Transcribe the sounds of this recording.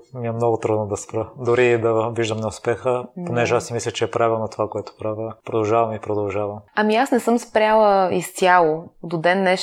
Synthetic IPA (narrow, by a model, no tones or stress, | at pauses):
miɛmnɔɡʊt̪ɾud̪nod̪ɐspɾəd̪ʊɾid̪ɐviʒd̪əmnɛʊspɛxəponɛʒɛasimislʲət͡ʃɛːpɾavɛlˠnɐt̪ovakoɛt̪ʊ̥pɾavʲəpɾod̪ɐlˠʒavɐmipɾod̪ɐlˠʒavɐmɐmiasnɛsɤmspɾʲjalˠəist̪ʲjalˠod̪od̪ɛnːɛʃ